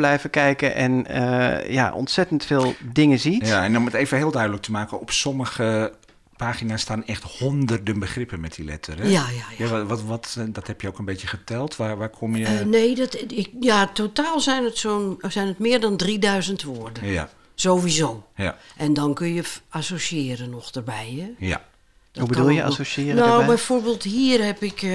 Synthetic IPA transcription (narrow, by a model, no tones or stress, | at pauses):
b̥lɛjvəkɛjkəʔɛ̰nə̰ja̰ʔɔ̰ntsɛtəntfɪːlˠdɪŋəziaɛnɔməteːvəɦɪːlˠdœɥdələk̚tʰəmaːkəɔpsɔməɣə | pʰaːxinasːtaːnɛxthɔndərdənbəχrɪpənmɛt̚dilɛ̰tʰərɛjajajaʋʋɔtdɔthɛpjəokənbetjəχətʰɛlˠtʰʋaʋaːkʰomjəneːdɔtɪkjatotaːlˠzɛnətsoːnsɛjnətmɪːərdɔndridœɥzəntʋoərdəa | z̥oːʋizoːjaʔɛndɔnkønjəasosiɪːɾənɔxdərbɛjɛja̰ | d̥ɔubədulˠjəa̰sosɪnowbɛjfoːrbeːlˠthiːərhɛpɪk